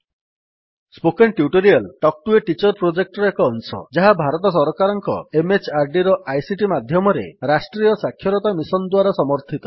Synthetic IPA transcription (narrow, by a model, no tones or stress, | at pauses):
spokenʈjuʈoɾialʈɔk̚ʈueʈit͡ʃɔɾpɾod͡ʒek̚ʈɔɾɔekɔːnsɔ̰d͡ʒaɦabʱaɾɔt̪ɔs̬ɔɾɔkaɾɔŋkɔ̰emet͡ʃaɾɖiɾɔʔajsiʈimad̪ʱjɔmɔɾḛɾasʈɾijɔsakʰːjɔɾɔt̪amisɔnd̪waɾasɔmɔɾt̪ʰit̪ɔ̥